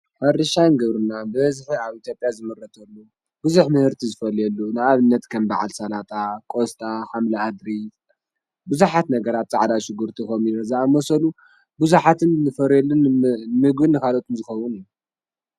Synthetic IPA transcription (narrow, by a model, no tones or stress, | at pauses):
fɐɾɐʃanɡɐβɾɨnabɨβɐzħiaβit̪ʰjo̞pʼjazɨmɨɾːɐt̪ʰɐlːu | bɨzuħmɨhɨɾt̪ʰizɨfɐlɛlːunɨaβɨnːɐt̪kʰɐmba̰ʕa̰lsɐlat̪ʼakʼost̪ʼaħamlɐhad̪ɾi | bɨzuħat̪nɐɡɐɾat̪̚t͡sʼaʕd̪aʃɪɡuɾt̪ʰikɐmiɾɐzaamɐsɐlu | bɨzuħat̪ʰɨnːɨfɐɾɛlːɨnmɨɡbɨnːɨkalot̪ʰʼɨnzɨxɐwʊnɨjːu